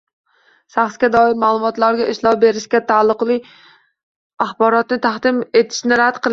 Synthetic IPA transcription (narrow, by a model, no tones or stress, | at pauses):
ʃaχsɡʲad̪ɒɪɾmaːlˠʊmɒt̪laɾɡʲaʔɪʃlˠɒpbe̞ɾɪʃkʲat̪ʰalˠːɨqlˠɪ | aχbɒɾɒt̪nɪt̪ʰaχd̪ɪme̞t̪ʰɪ̥ʃnɪɾad̪qʰɨlˠ